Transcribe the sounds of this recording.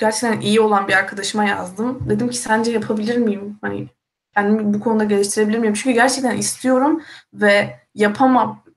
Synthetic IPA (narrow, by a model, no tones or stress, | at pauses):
ɟ̥æɾt͡ʃʰɛ̥c̚t̪ʰænʔijio̞lˠanbiaɾkʰad̪aʃɯmaja̰zd̪ɯmd̪e̞d̪imcʰi̥sænd͡ʒɛjapʰabilʲiɾmijimhanḭ | cʰænd̪imbukʰo̞nud̪aɟe̞lʲiʃt̪ʰiɾebilʲiɾmijɾmt͡ʃʰyɲcʰyɟæɾt͡ʃʰɛc̚t̪ʰænʔist̪ʰijo̞ɾumvɛ | japʰama